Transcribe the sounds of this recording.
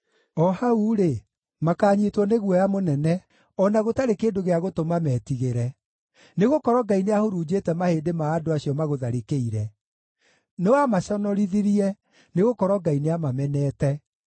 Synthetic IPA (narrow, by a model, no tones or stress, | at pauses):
ɔhauɾe | makaːɲitwɔneɣwɔjamonɛnɛ | ɔnaɣotaɾekeːdoɣeaɣotomamɛːtiɣeɾɛ | neɣokɔɾɔɡaineahoɾuːd͡ʑetɛmaheːdemaːdoaɕijɔmaɣoðaɾekeiɾɛ | newamaɕɔnɔɾiðiɾiɛ | neɣokɔɾɔɡaineamamɛnɛːtɛ